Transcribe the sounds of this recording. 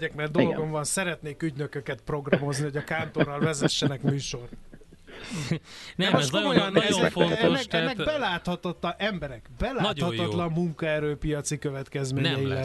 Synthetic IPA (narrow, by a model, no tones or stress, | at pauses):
ɟɛkmɛrd̪olo̞ɡo̞ɱvɒnsɛɾɛt̪neːkyɟnø̞køkɛt̪pro̞ɡrɒmo̞zniho̞ɟɒkaːnt̪o̞rːɒlvɛzɛʃːɛnɛkmyːʃo̞rt̪ | nɛmomojnnɛoɛfonɛoːkɛnːɛɡbɛlaːt̪hɒt̪ot̪lɒʔɛmbɛɾɛkbɛlaːnt̪hɒɒt̪lɒmːuŋkɒɛɾøːpijɒt̪sikøvɛt̪kɛzmeːnɲɛjilɛ